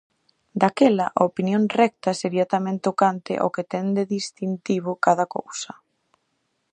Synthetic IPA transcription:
d̪akɛlɐʔopinjoŋrɛk̚t̪ɐseɾiɐt̪amɛ̃nt̪okant̪ɪ̰ʔo̰ket̪ɛnd̪eðist̪int̪iβ̞ʊkaðɐko̰wsɐ

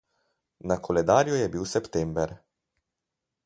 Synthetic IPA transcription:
nakʰɔlɛd̪aːɾjujɛbiwsɛpt̪ɛmbɛɾ

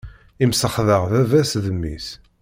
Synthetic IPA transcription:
imsəχðəʁðævæsðəmːḭs

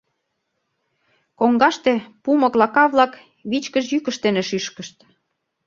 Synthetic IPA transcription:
koŋɡɑʃt̪epumɤ̆klɑkɑβlɑk | βit͡ɕkəʃ̬jykə̆ʃt̪eneʃyʃkə̆ʃt̪

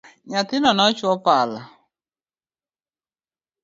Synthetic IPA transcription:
ɲatɪnɔnɔt͡ʃʊɔpaala

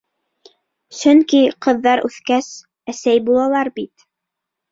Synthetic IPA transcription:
sɵŋkiqɤ̆ðːɑɾʉθkæs | æsæjbulˠɑlˠɑɾbit̪

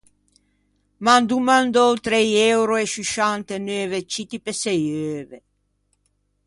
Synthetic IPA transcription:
mand̪umand̪owt̪ɾejɛwɾoeʃyʃant̪enøːvet͡ʃit̪ipesejøːve

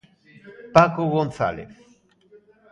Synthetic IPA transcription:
pakoɡont̪sa̰lḛf

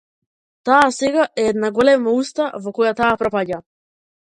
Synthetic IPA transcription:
t̪aːsɛɡaʔɛɛd̪naɡɔlɛmaust̪avɔkɔjat̪aːpɾɔpaɟa

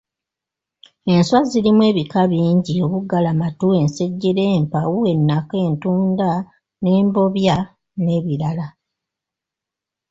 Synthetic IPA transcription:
e̞nswazilimwe̞ːβikaβiːɲɟio̞βuɡalamatue̞nse̞ɟːeɾe̞ːmpawue̞nːake̞ːntuːnda | ne̞ːmbo̞βja | ne̞ːβiɾala

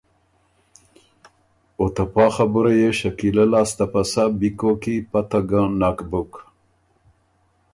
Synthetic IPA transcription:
ot̪apɑxabuɾajeʃakilalaːst̪apasabikokipat̪aɡãnakbuk

